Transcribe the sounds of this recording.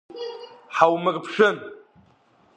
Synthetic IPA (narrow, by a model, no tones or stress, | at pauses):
ħawmɨrʼpʰʂɨn